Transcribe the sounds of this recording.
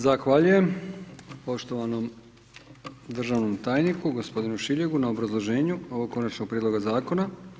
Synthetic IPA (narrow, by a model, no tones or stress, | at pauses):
zaxʋaʎuje̞m | po̞ʃt̪o̞ʋano̞m | d̪r̩ʒaʋno̞mt̪aːjnikuɡo̞spo̞d̪inuʃiʎe̞ɡunaobɾazlˠo̞ʒe̞ːɲuoʋo̞ɡ̚kːo̞nat͡ʃno̞ɡ̚pɾiːd̪lo̞ɡazaːko̞na